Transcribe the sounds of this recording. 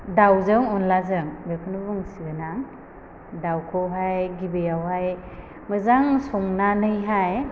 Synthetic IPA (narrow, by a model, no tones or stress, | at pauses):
dawzɯŋɔnlazɯŋbekʰɯnubɯŋsiɡɯnaŋ | dawkʰɔwɦajɡibɯjawhaj | mɯzaŋsɔŋnanɯjɦaj